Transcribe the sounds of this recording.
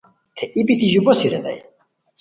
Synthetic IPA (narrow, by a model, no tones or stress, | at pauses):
t̪ʰɛʔibid̪iʒubɔsiɾɛ̰d̪a̰j